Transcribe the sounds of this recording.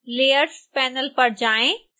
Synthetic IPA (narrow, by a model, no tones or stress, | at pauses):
leːəɾspɛːnəlpɐɾd͡ʑaːẽ